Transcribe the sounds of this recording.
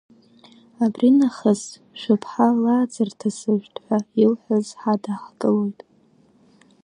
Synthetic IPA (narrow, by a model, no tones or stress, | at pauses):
abrinaχəz | ʃʷʊpʰħalaːd͡zartʰasɨʒᶣtʰʼħʷailħʷazħadaχɡʼɨlo̞jtʼ